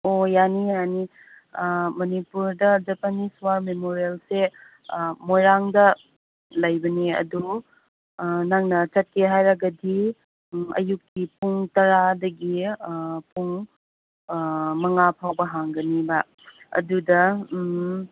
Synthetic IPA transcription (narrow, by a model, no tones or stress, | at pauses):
ojanijani | mɐnipuɾdɐd͡ʒɐpɐniswaɾmemoɾielse | mojɾaŋdɐ | lɐjbɐneɐ̰du | nɐŋnɐt͡ʃɐt̚kʰeɦajɾɐɡɐdi | ɐ̰jukːipuŋtɐɾadɐɡi | puŋ | mɐŋapʰawbɐɦaŋɡɐnibɐ | ɐ̰dudɐ